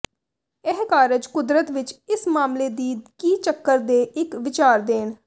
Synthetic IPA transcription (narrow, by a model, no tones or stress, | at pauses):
ɛɦkaːɾɪd͡ʒkʊd̪ɾət̪ʋɪt͡ʃɪsmaːmleːd̪iːkiːt͡ʃəkːəɾd̪eːʔɪkʋɪt͡ʃaːɾd̪eːn